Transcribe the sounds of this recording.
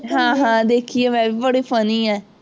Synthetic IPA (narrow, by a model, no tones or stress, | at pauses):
ɦãːɦãːd̪eːkʰieːʋɛːʋiːbəɽiːpʰəniːɛː